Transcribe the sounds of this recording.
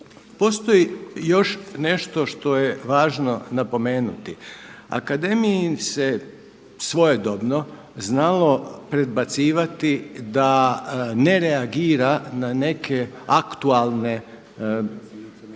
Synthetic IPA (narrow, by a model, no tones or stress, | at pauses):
po̞st̪o̞jijo̞ʃne̞ʃt̪o̞ʃt̪o̞jeʋaːʒno̞napo̞me̞ːnut̪ia̰kad̪e̞mijise | sʋo̞jed̪obno | znalo̞pɾe̞d̪̚bat̪siːʋat̪id̪ane̞ɾeaɡiːɾanane̞kʰe | akt̪ualˠne̞